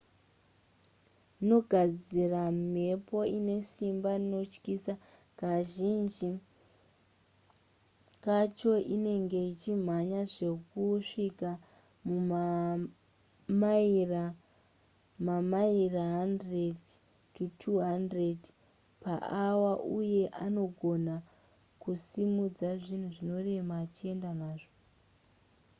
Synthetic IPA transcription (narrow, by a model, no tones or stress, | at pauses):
no̞ɡʱad͡ziram̤e̞po̞ine̞simbaino̞t͡ʃkisa | kaʒind͡ʒi | kat͡ʃo̞ʔine̞ŋɡe̞it͡ʃim̤aɲaʐe̞kuʂika | muma | maira | mamairaɦandred | tutʰuɦandred | pa̰ʔawaʔuje̞ʔano̞ɡʱo̞na | kusimud͡zaʐin̤uʐino̞re̞maːt͡ʃie̞ndanaːʐo